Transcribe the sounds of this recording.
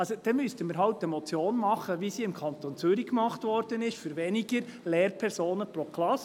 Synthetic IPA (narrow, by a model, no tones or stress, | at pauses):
ɑlsod̥ɛmystəmiɾɦɑʊtːɛmɔt͡sjoːnmɑχəʋisiɪmkʰɑnt̪ont͡sʏɾikmɑχtʋɔɾd̥ənɪʃfyɾʋɛnɪɡəɾlɛːɾpʰɛɾsoːnəpɾokʰlɑs